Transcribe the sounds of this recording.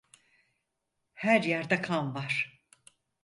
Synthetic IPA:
hæɾjæɾd̪ɛkʰanvaɾ̥

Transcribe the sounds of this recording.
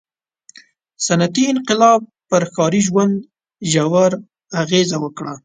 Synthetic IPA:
sanat̪iɪnqɪlɑb̚pəɾkɑɾiʒwand̪ | ʒawaɾ | aɣezawəkɽa

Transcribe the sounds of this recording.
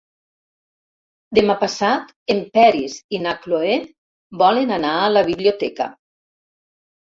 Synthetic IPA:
d̪emapasat̪ | empɛɾizinakloe | bɔlenanaələβiβliot̪ɛkə̰

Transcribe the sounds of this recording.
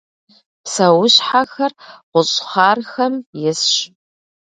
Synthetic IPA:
psɐwʊɕħaxɐrʁʷʊɕʼχɑːrxɐmjɪsɕ

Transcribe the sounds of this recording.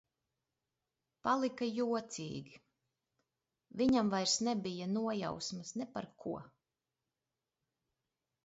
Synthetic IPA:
palˠikajuɔt̪sḭːɡʲi | viɲamvajɾsnɛbijanuɔja̰wsmasnɛpa̰ɾkʰuɔ

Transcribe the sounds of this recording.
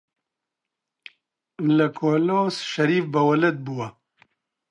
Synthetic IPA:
lɐkʰoːloːsʃɐɾiːfbɐwɐlɐt̪̚buwɐ

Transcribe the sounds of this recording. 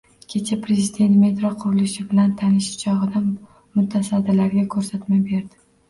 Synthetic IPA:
kʲʰe̞t͡ʃʰapʰɾezid̪e̞nt̪me̞t̪ɾɒqʰʊɾɪlɪʃɪbɪlant̪ʰanɪʃt͡ʃʰɒʁɨd̪a | mʊt̪ʰasad̪ɪlaɾɡʲakʰɵɾsat̪mabe̞ɾd̪ɪ

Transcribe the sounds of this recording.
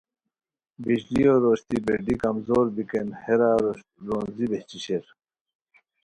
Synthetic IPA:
biɕlioːɾoːɕt̪ibeɖikɐmzoːɾbikenheɾaɾo | ɾonzibet͡ɕiɕeɾ

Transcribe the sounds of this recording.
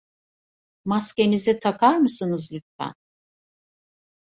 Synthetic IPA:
masce̞nizit̪ʰakʰaɾmɯsɯnɯzlʲytfæ̰n

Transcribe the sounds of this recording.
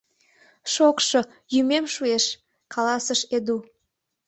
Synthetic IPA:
ʃokʃŏ | jymemʃueʃ | kʰɑlɑsəʃed̪u

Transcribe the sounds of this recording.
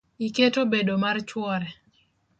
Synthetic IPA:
iketobedomart͡ʃwɔɾɛ

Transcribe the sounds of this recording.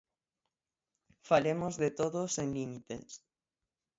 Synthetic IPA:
falemozðet̪oðoseŋlimit̪ḛs

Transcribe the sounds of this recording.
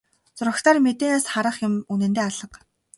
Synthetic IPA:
t͡sʊrə̆xt̪ʰaːrmet̪eːnaːsχaɾə̆χjʊmunɘ̆nt̪eːaɮə̆q

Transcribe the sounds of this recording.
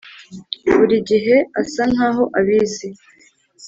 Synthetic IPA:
βuɾiɟiɦe̞asaŋ̥haːɦo̞ʔaβiːzi

